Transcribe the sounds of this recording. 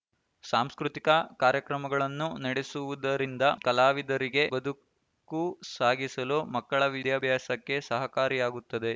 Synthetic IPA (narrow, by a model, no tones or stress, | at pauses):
saːmskɾut̪ikɐkaːɾjɐkɾɐmɐɡɐɭɐnːunɐɽe̞suʋud̪ɐɾind̪ɐkɐlaːʋid̪ɐɾiɡe̞bɐd̪u | kːusaːɡisɐlomɐkːɐɭɐʋid̪jaːbʱjaːsɐkːe̞sɐɦɐkaːɾijaːɡut̪ːɐd̪e̞